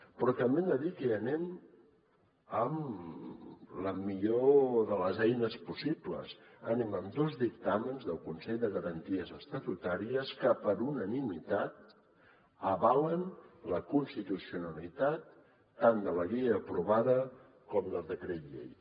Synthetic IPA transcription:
pɾɔt̪əmbend̪əðikəənɛm | əm | ləmiʎoðələzɛjnəspusiplə̰s | ənɛməmd̪ozðik̚t̪amənzðəlˠkunsɛʎd̪əɣəɾənt̪iəzəst̪ət̪ut̪aɾiəskəpəɾunənimit̪at̪̚ | əβalənləkunst̪it̪usiunəlit̪at̪ː | and̪ələɣeəːpɾuβaðə | kɔmd̪əlˠd̪əkɾet̪ʎḛj

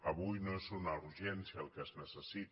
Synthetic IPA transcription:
əβujnoesonaruʒɛnsiaəlˠkəznəsəsit̪

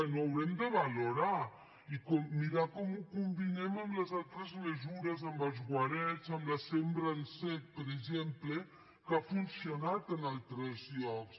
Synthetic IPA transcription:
noawɾɛmd̪əβaloɾa | ikɔmiɾakɔmukumbineməmləzalˠt̪ɾəzlezuɾəzəmbəlˠzɣwaɾɛt͡səmləsembɾansɛt̪̚pəɾeʒemple | kafunsjonat̪ənalˠt̪ɾɛzʎɔks

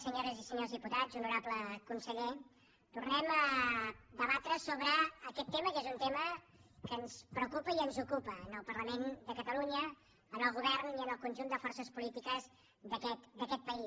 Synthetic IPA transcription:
səɲoɾəzisəɲozðiput̪ad͡zunuɾabləkunsəʎe | t̪urnɛmə | ðəβat̪ɾəsoβɾəːkɛt̪ːeməkezunt̪emə | kənspɾəukupəiənzukupəːnəlˠpərləmend̪əkət̪əluɲə | ənəlˠɣuβ̞ɛrniənəlˠkunʲʒund̪əfɔrsəspulit̪ikəz | ðəkɛt̪d̪əkɛt̪̚pəi

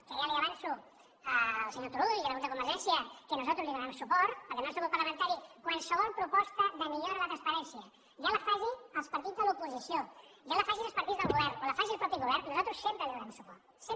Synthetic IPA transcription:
keʒaliaβansu | əlˠsəɲot̪uɾuðiəðβult̪əkumbəɾʒɛnsiəkənuzat̪ɾuzliðəβɾɛmsupɔɾt̪pəɾkenõlsuβɔɾpɐɾləmə̃nt̪aɾikwansəβɔlˠpɾupɔst̪əðəmiʎoaɾalət̪ɾɐnspɐɾɛnsiɐ | ʒalafaʒiəlˠspɐɾt̪id͡zðəlupuzisioʒalafaʒiəlˠspəɾt̪idd͡zzðəlɣuβɛɾnolafaʒiəlˠpɾɔpiɣuβ̞ɛɾnnuzalˠt̪ɾusːɛmpɾəliðɾɛmsupɔɾt̪s

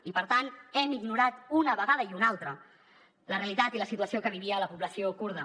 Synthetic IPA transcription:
ipəɾt̪anɛmiɡnuɾat̪unəβəɣaðəiunalˠt̪ɾə | ləreəlit̪at̪iləsit̪uəsiokəβ̞iβiəːləpuβləsiokuɾð̞ə

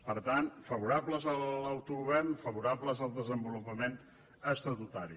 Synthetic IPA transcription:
pəɾt̪anfəβuɾapləzəlawt̪uɣuβɛɾnfəβuɾapləzəlˠd̪əzəmbulupəmen | əst̪ɾət̪ut̪aɾi

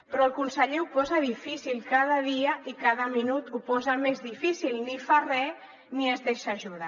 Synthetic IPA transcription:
pɾɔəlˠkunsəʎeupɔzaðifisilˠkað̞aðiaikaðəminut̪upɔzamezðifisilˠnifarɛ | niəzðeʃaʒuða

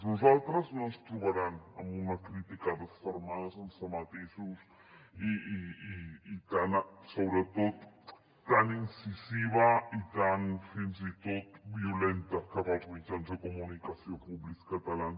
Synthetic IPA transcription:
nuzalˠt̪ɾəznonst̪ɾuβaɾanəmbunɐkɾit̪ikaðəsfəɾmaðzənsəmat̪isus | iiː | t̪ansoβɾət̪ot̪ː | aninsiziβɐit̪anfinzit̪ot̪̚biulent̪ɐkəβapuβitanzəkumunikɐsiopuβliskɐt̪alan

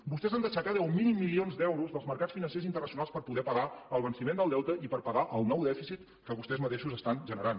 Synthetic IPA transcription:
bust̪ɛzand̪əʃatk̪aðɛumːinimːilionzd̪ɛwɾuzðəlˠzməɾkat͡sfinənsezint̪ərnəsiunalˠspəɾpuðɛpəɣaəlˠβ̞ənsimend̪əlˠd̪ɛwt̪əʔipəɾpəɣaʔəlˠnɔwd̪ɛfisit̪ | kəβust̪ɛzmət̪eʃuzəst̪anʒənəɾan

